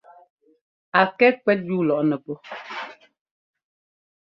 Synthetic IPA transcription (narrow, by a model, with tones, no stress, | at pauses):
a˨kɛ˦kwɛ˦t̚juː˦˨lɔ˨ʔnɛ˨pɔ˦